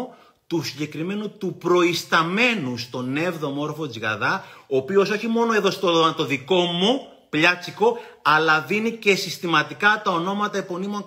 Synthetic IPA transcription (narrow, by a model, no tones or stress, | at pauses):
t̪usiɲɟe̞kɾime̞nut̪upɾo̞ist̪ɐme̞nust̪o̞ne̞vðo̞mo̞ɾfo̞d͡zɣɐ̰ðɐoːpio̞so̞çimo̞no̞eðo̞st̪oɐt̪o̞ðiko̞mu | pʎɐt͡siko̞ | ɐlɐðinice̞sist̪imɐt̪ikɐt̪ɐo̞no̞mɐt̪ɐepo̞nimo̞ŋ